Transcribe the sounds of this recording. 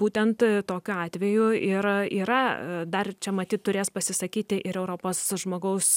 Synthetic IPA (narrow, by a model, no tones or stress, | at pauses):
buːt̪ʲɛnt̪t̪oːkʲʊɑːt̪ʲʋʲɛjʊɪɾiːɾɐd̪ɐrt͡ʃʲɛmɐt̪ʲiːt̪t̪ːʊɾʲeːspɐsʲɪsɐkʲiːt̪ʲɪʔɪɾɛʊɾoːpoːsʒmoːɡɐʊs